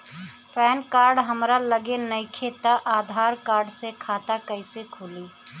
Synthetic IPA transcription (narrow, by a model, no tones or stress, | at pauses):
pɛːnkaːɾɖɦəmɾaləɡenəikʰeːt̪aʔaːd̪ʱaːɾkaːɾɖsekʰaːt̪akəɪsekʰuliː